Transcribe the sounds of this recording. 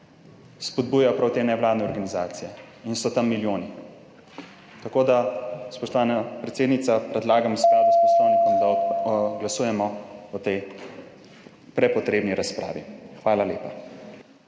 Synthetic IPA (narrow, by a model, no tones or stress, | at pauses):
spɔd̪̚buːjajɔpɾawt̪eːnɛwlaːd̪nɛɔɾɡanizaːt̪sijɛ | insɔt̪amːiljoːni | t̪akoːd̪aspɔʃt̪ɔʋaːnapɾɛt̪seːd̪nit̪sapɾɛd̪laːɡamskad̪uspɔslɔwnd̪aɡlasuːjɛmɔɔt̪ɛj | pɾɛpɔt̪ɾeːbniɾaspɾa̰ːʋḭxʋaːlaleːpa